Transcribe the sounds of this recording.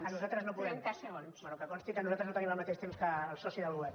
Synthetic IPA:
ənuzat̪ɾəznopuðɛmkasəɣonsbɛnukəkɔnst̪ikənuzalt̪ɾəznot̪ənimɐlˠmət̪eʃt̪emskəːlˠsɔsiðəlwɛp̚

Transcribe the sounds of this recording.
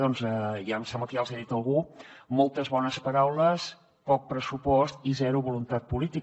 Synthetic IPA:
ɔnzəjamsamət̪ialˠzaðit̪əlˠɣumɔlˠt̪əzβɔnəspəɾawləs | pɔk̚pɾəsupɔst̪izɛɾuβulunt̪at̪̚pulit̪ik

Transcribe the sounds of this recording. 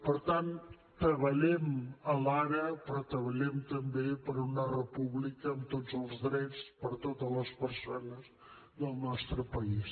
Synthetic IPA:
pəɾt̪an | t̪əβəʎɛməlaɾəpɾɔt̪əβəʎɛmt̪əmbepəɾunərəpuβlikəːmt̪ozəlˠzðɾɛt͡spəɾt̪ot̪əzləspəɾsonəz | ðəlˠnɔst̪ɾəpəis

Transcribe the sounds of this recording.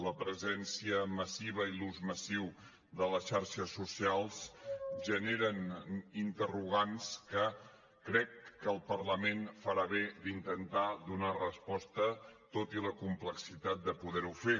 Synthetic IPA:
ləpɾəzɛnsiəməsiβ̞əiluzməsiw | ðələsʃaɾʃəsːusialˠsʒəneɾənint̪əruɣ̞anskə | kɾɛkːəlˠpərləmenfəɾaβed̪int̪ənt̪aðunarəspɔst̪ət̪ot̪iləkumpləksit̪at̪̚d̪əpuðɛɾufe

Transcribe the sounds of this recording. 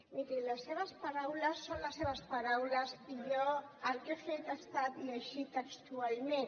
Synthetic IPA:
mit̪ilaseβaspaɾawlasːonlaseβaspaɾawlazpiʎoaɾkefejt̪ast̪at̪meʃit̪akt̪ualmen

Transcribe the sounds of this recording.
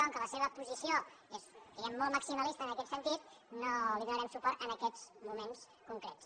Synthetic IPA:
aŋkələseβəpuzisio | essiɣɛmːɔlˠməksiməlist̪əːnəkɛt̪sənt̪it̪̚noliðunəɾɛmsupɔrt̪ənəkɛzmumens | kuŋkɾɛts

